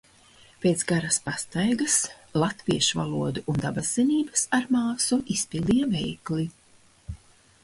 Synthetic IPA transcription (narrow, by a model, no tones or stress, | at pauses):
pʲeːt̪sɡaɾaspast̪ajɡɐs | lˠat̪viɛʃuva̰lˠuɔd̪uʔund̪abazɛniːbɐsaɾmaːsuʔispilˠd̪ijɛvɛjkli